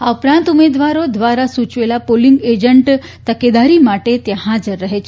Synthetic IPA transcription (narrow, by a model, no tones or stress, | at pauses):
aupɾãnt̪umed̪ʋaɾod̪ʋaɾasut͡ɕʋelapoliŋɡed͡ʒəɳʈ | t̪əked̪aɾimaʈet̪jãɦad͡zəɾːəɦet͡ʃʰe